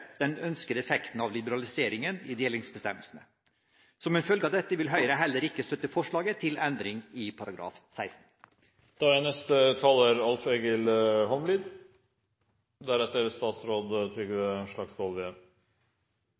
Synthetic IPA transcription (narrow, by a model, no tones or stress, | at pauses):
d̪̥ɛnœnskəd̪əɛfɛkt̪n̩ɑʋlɪbəɾɑlɪseːɾɪŋənɪd̪eːlɪŋsbəst̪ɛmːəlsənə | sɔmɛnfœlɡəɑd̪ɛt̪ːəʋɪlɦœʏɾəɦɛlːəɾɪkːəst̪œt̪ːəfɔʂɭɑːɡət̪ʰɪlɛnd̪ɾɪŋɪpʰɑɾɑɡɾɑ̰ːfsæɪst̪n̩ | d̪̥ɑænɛst̪ət̪ʰɑːləɾɑlfeːɡəlhɔmliːd̪ | d̪æɾɛt̪ːəɾst̪ɑːt̪sɾoːd̪t̪ʰɾɪɡəɛnʂɭɑksʋɔlʋeɛm